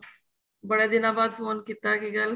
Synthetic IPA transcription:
bəɽed̪inaːbaːd̪foːnkit̪ːakiɡal

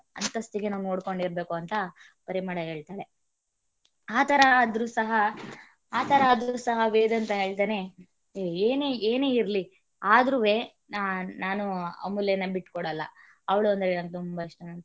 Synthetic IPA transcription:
ɐ̰nt̪ɐst̪iɡenaːnunoːɽko̞ɳɖiɾbe̞ːkuɐnt̪ɐ | pɐɾimaːɽɐɦeːɭt̪aːɭe | aːt̪ʰɐɾɐːd̪ɾuːsɐɦɐ | aːt̪ʰɐɾɐːd̪ɾuːsɐɦɐʋeːd̪ɐnt̪ɐɦe̞ːɭt̪̬ane̞ | eːneeːne̞ːiɾli | aːd̪ɾuʋe̞ː | naːnuɐ̰muljɐnːɐbiʈkɔɽɐlːɐ̰ | ɐʋɐɭuɐnd̪ɐɾeɐnt̪umbɐiʂʈɐ

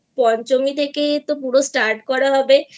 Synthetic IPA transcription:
pɔnt͡ɕomit̪ʰeket̪opuɽosʈaɾʈkɔɾaɦɔbe

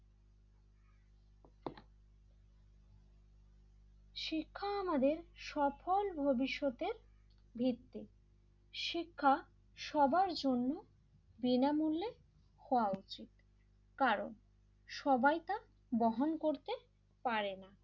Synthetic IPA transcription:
ʃikʰːaamad̪eɾʃɔpolbʱobiʃːot̪eɾ | bʱit̪ːi | ʃikʰːa | ʃɔbaɾd͡ʑonːo | binamulːe | hɔoaut͡ɕit̪ | kaɾo̰n | ʃɔbajt̪a | bɔɦonkoɾt̪e | paɾena

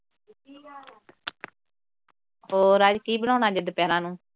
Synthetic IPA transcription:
hoːɾəd͡ʒkiːbəɽãːnaːd͡ʒɪd̪pjɛːɾãːnũː

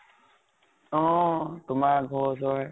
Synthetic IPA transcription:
õːt̪ʊmaːɡʱoːsoːɦɛː

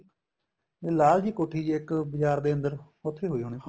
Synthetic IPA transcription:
eːlaːld͡ʒiːkoːʈʰiːɪkbɪd͡ʒaːɾd̪eːə̃nd̪əɾ | ot̪ʰːeːɦoːiːɦoːɽ̃iː

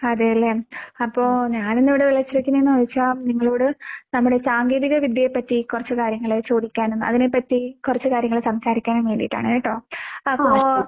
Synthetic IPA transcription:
ɐðejɐlːemɐpːo̞ːɲaːnenːiʋiɽeʋiɭɐt͡ɕːiɾɐkʲːunːenːɨʋɐðit͡ɕːaːniŋːɐɭoːɽɨnɐmːuɽe̞saːŋɡeːðiɣɐʋid̪ʱjjepːɐtːikurɐt͡ɕːɨkaːɾjɐŋːɐɭet͡ɕoːðikʲːaːnonːɨʔɐ̰ðine̞pːɐtːikurɐt͡ɕːɨkaːɾjɐŋɐɭsɐmsaːɾikʲːaːnnʋe̞ːɳɖijiʈːa̰ːɳɨenːiʈːoːɐpːo̞ː

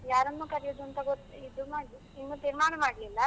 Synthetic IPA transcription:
jaːɾɐnːuːkɐɾijoːd̪uɐnt̪ɐɡot̪ːuid̪umaːɽi | inːut̪iːɾmaːɳɐmaːɖlilːɐ

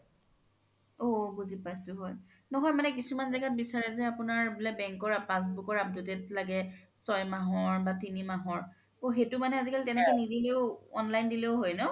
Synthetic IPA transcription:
oɡuzipajsʊɦɔj | nɔɦɔjmanɛk̬isumanzaɡat̚bisaɹɛzɛapʊnaɹbilabɛŋkɔɹapas̬bukɔɹap̚dotɛtlaɡɛsɔjmaɦɔɹbatinimaɦɔɹ | oxetʊmanɛazikalitɛnɛkɛnidileʊɔnlajndileʊɦojnɔ

